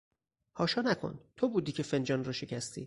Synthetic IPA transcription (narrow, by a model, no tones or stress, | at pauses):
hɒːʃɒːnækʰo̰nt̪ʰobuːd̪iːcʰe̞fe̞nd͡ʒɒːnrɒːʃe̞cʰæst̪ʰḭː